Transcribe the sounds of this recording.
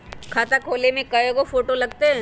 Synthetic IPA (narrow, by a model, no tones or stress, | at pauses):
kʰaːt̪akʰoːlemẽkɐjoɡofoːʈolɐɡt̪eɦɛ̃ː